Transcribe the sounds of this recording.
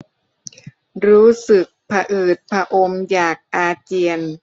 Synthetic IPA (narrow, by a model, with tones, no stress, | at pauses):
ɾuː˦˥sɯ˨˩k̚pʰa˧ʔɯː˨˩t̪̚pʰa˧ʔo˧mjaː˨˩k̚ʔaː˧t͡ɕi˧ən